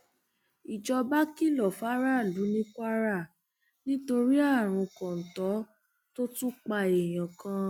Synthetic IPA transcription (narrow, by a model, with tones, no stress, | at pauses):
i˨d͡ʒɔ˧ba˦ki˦˨lɔ˨fa˦ɾa˦˨lu˨˦nĩ˦kʷa˦ɾa˦˨ | nĩ˦to˧ɾi˦a˦˨ɾ̃ũ˧kɔ̃˨n̩˨tɔ˨˦ | to˦tũ˦k͡pa˧e˨j̃ã˨kã˧